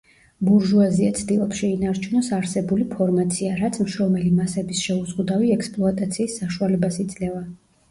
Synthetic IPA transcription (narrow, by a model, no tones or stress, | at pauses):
buɾʒuaziat̪sʰd̪ilˠɔpsʃɛinaɾt͡ʃʰunɔsaɾsɛbulipʰɔɾmat̪sʰiaɾat̪sʰmʃɔmɛlimasɛbisʃɛuzʁud̪aviɛkspʼlˠɔat̪ʼat̪sʰiːsːaʃualɛbasit̪sʼlɛva